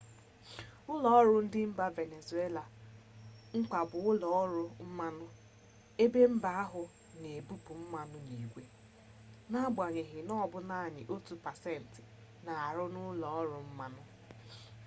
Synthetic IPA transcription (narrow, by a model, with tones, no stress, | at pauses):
ʊ˦lɔ˨˦ɔ˦ɾʊ˦n̩˦dɪ˦m̩˦ba˦ve˨ne˨zu˨˦e˦la˨ | ŋ̩˦k͡pa˨bʊ˨ʊ˦lɔ˨˦ɔ˦ɾʊ˦m̩˦ma˦nʊ˦ | e˦be˦m̩˦ba˦a˦ɦʊ˨ | ne˨bu˦pu˨m̩˦ma˨nʊ˦ni˨ɡʷe˦ | na˦ba˨ɲe˨ɦɪ˨nɔ˦˨bʊ˦na˦˨ɲɪ̰˨ʔo˦tu˨pa˨sɛ˦˨n̩˨tɪ˨ | na˨a˨ɾʊ˦nʊ˦lɔ˨ɔ˦ɾʊ˨m̩˦ma˦nʊ˦